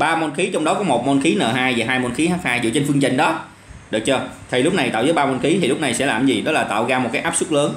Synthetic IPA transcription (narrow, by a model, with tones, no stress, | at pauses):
ɓaː˧mo˧nxi˨˦t͡ɕɔ˧wŋ͡mɗɔ˨˦kɔ˨˦mo˨˩t̚mo˧nxi˨˦nəː˨˩ɦaː˧jvaː˨˩ɦaː˧jmo˧nxi˨˦haː˦˥k̚haː˧jzɨ̰˧˨t͡ɕe˧nfɨ˧əŋt͡ɕə˧ŋ̟ɗɔ˨˦ | ɗɨ˨˩ək̚t͡ɕəː˧t̪ʰi˨˩lʊ˦˥k͡p̚na˨˩jt̪a̰ː˧˨wzəː˨˦jɓaː˧mo˧nxi˨˦t̪ʰi˨˩lʊ˦˥k͡p̚na˨˩jsɛ̰˧˥laː˨˩mzi˨˩ɗɔ˨˦laː˨˩t̪a̰ː˧˨wɣaː˧m˨˩t̚kaː˨˦jʔaː˦˥p̚sʊ˦˥k͡p̚ləː˨˦n